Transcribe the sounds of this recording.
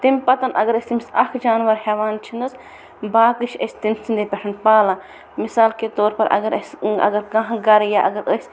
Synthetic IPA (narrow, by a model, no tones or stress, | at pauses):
t̪imʲpɐt̪ɐnʔɐɡɐɾɐsʲt̪imisɐkʰd͡ʒaːnʋɐɾhɛːʋaːnt͡ʃʰind̪ɐs | baːkɨʃʰɐ̰sʲt̪insind̪epʲɐʈʰɐnpaːlaː | misaːlket̪oːɾpɐɾʔɐ̰ɡɐɾɐsʲɐ̰ɡɐɾkɐ̃ɦɡɐɾjaʔɐɡɐɾəsʲ